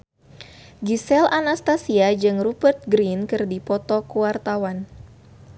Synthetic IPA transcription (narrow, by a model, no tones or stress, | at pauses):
ɡisɛlʔanast̪asiad͡ʒɨŋrubərt̪̚ɡɾinkɨrdipɔt̪ɔkuwart̪awan